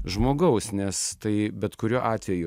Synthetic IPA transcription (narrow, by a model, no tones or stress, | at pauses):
ʒmoːɡɐʊsnʲɛst̪ɐɪbʲɛt̪kʊɾʲuːʔɑːt̪ʲʋʲɛjʊ